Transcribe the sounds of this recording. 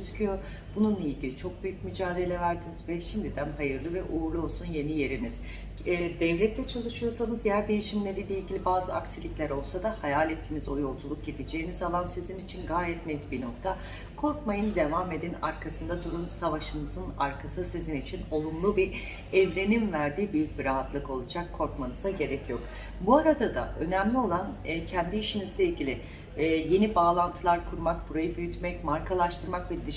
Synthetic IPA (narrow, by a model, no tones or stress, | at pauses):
yzycʰyjo̞ | b̥ununlˠailʲɟilʲit͡ʃʰo̞k̚byjyc̚myd͡ʒaːd̪e̞lʲɛvæɾd̪inizvɛʃimd̪id̪ænɦajɯɾlˠɯvɛʔuːɾlˠuo̞lˠsunje̞nije̞ɾiniz̥ | d̪ɛvlʲɛt̪ʰːɛt͡ʃʰalˠɯʃɯjoɾsanɯzjæɾd̪e̞jiʃimlʲe̞ɾilʲeilʲɟʲilʲibaːzɯaksilʲicʲlʲæɾo̞lˠsad̪ahajaːlʲɛt̪ʰːinizo̞jo̞lˠd͡ʒulˠuk̚ɟid̪ed͡ʒe̞jːinizalˠansizinit͡ʃʰinɡaːjɛt̪nɛt̪bino̞k̚t̪ʰa | kʰo̞ɾkmajɯnd̪e̞vame̞d̪inaɾkʰasɯnd̪ad̪uɾunsavaʃɯnɯzɯna̰ɾkʰasɯsizinit͡ʃʰino̞lˠumlˠubi | ɛvɾe̞ninvæɾd̪iːbyjyc̚biɾaɦat̪lˠɯko̞lˠad͡ʒakʰːo̞ɾkmanɯzaɟe̞ɾɛcjo̞k | buaɾad̪ad̪a̰ʔø̞næmlʲio̞lˠanːcʰɛnd̪iːʃinizlʲeilʲɟʲilʲɪ | je̞nibaːlˠant̪ʰɯlˠaɾkʰuɾmakbuɾajɯbyjyt̪mɛcmaɾkʰalˠaʃt̪ʰɯɾmakvɛd̪i